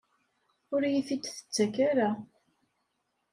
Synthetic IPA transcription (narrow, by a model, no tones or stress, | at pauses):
ʊɾjiθit̪ːθə̥t͡sːækaɾa